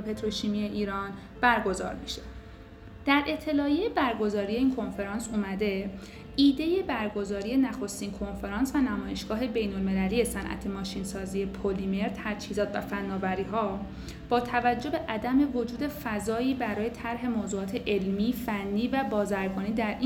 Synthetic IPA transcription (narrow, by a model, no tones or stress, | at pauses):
pʰe̞t̪ʰɾo̞ʃimije̞ʔiːɾɒːn | b̥æɾɡo̞zɒ̰ːɾmiʃe̥ | d̪̥æɾʔe̞t̪ʰːe̞lɒːjejebæɾɡo̞zɒːɾije̞iːnkʰo̞nfe̞ɾɒːnsumæd̪e̞ | iːd̪e̞je̞bæɾɡo̞zɒːɾije̞næxo̞st̪iːnkʰo̞nfe̞ɾɒːnsvænæmɒːje̞ʃɡ̥ɒːɦe̞be̞jnolme̞læliːje̞sænʔæ̰t̪ʰe̞mɒːʃiːnsɒːziːe̞pʰolime̞ɾt̪ʰæɾt͡ʃʰhiːzɒːt̪ʰvæ̰fænːɒːbæɾiːɦɒː | b̥ɒːt̪ʰævæd͡ʒːo̞be̞ʔæd̪æme̞vo̞d͡ʒuːd̪e̞fæzɒːiːbæɾɒːje̞t̪ʰæɾɦe̞moːzuːɒːt̪ʰe̞ʔe̞lmiːfænːiːvæbɒːzæɾɡɒːniːd̪æɾʔi